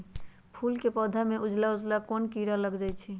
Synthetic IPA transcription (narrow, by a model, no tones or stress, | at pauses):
pʰulkepɔd̪ʱameʔud͡ʒlaud͡ʒlakonkiɾaləɡd͡ʒajt͡ʃʰi